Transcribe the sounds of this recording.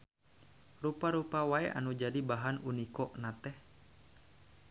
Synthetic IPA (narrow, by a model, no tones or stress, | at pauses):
rupaɾupawaɛʔa̰nud͡ʒadibaɦanunikɔʔnat̪ɛh